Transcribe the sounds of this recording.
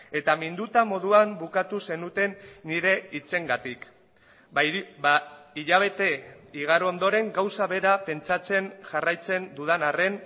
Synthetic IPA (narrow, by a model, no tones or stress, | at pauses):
e̞t̪amind̪ut̪amo̞ð̞uambukat̪use̞nut̪e̞nːiɾe̞it͡se̞ŋɡat̪ik | iʎaβ̞e̞t̪e̞iɣ̞aɾoond̪o̞ɾe̞ŋɡawsaβe̞ɾape̞nt͡sat͡se̞nʝarajt͡se̞nd̪uð̞anare̞n